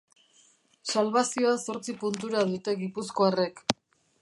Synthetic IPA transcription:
salβasioaso̞ɾt͡sipunt̪uɾaðut̪e̞ɣipusko̞are̞k

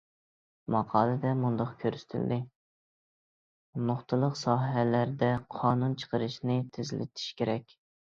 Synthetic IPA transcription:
mɑqʰɑːlˠɨd̪ɛmund̪ɑχkʲʰøɾsɪ̥t̪ʰɪld̪ɪ | mʊχt̪ɨlˠəqsɑːɦɛlæɾd̪ɛqʰɑːnunt͡ʃʰə̥qəɾɨʃnɪt̪ʰɪzɪlɪ̰t̪ʰi̥ʃkʲʰeɾɛkʲ

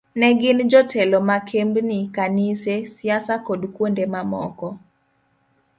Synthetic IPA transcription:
nɛɡɪnd͡ʒɔtʰɛlɔmakʰembnɪkanisesjasakodkwondemamɔkɔ

